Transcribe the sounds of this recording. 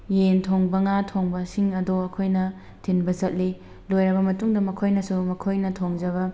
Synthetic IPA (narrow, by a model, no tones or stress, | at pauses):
jentʰoŋbɐŋatʰoŋbɐsiŋɐdoɐkʰojnɐ | tʰinbɐzɐt̚li | lojɾɐbɐmɐtuŋdɐmɐkʰojnɐsumɐkʰojnɐtʰoŋd͡ʒɐβɐ